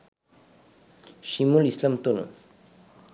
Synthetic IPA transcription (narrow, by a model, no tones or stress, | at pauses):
ʃimulislamt̪ono̰